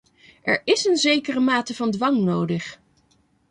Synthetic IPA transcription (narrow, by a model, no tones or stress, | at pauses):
ɛɹɪsənzejkərəmaːtəvɑndʋɑŋnowdəχ